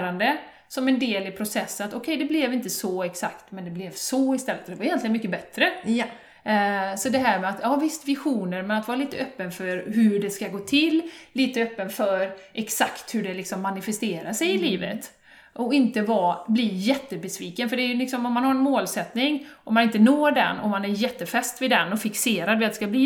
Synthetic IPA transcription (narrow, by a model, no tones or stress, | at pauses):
ɾand̪ə | sɔmɛnd̪eːlɪpʰɾʊsɛsːənat̪ɔkʰɛjd̪ɛblɛvɪnt̪əsɔɛksakt̪mɛnd̪ɛblɛvsɔɪst̪ɛlːət̪ɔd̪ɛvaɾɪʏjɛnlɪɡənmʏkːəbɛt̪ɾə | sɔd̪ɛɦæːɾmɛat̪jɑːvɪst̪vɪɧuːnəɾmɛnat̪vɑːɾliːt̪əœpːənfœɾɦʉɖɛskaɡoːt̪ʰɪlːliːt̪əœpːənfœɾʔɛksakt̪hɵɖɛlɪksɔmːanɪfɛst̪eːɾasɛjɪliːvə̰t̪ | ʔɔɪnt̪əvablijɛt̪ːəbɛsviːkənfœɖɛæjɵlɪksɔmɔmːanhaɾɛnmoːlsɛt̪nɪŋʔɔmːanɪnt̪ənoːɖɛ̰nːɔ̰manæɾjɛt̪ːəfɛst̪vɪd̪ɛnːɔfɪkseːɾad̪vɪat̪ɛ̥skabliː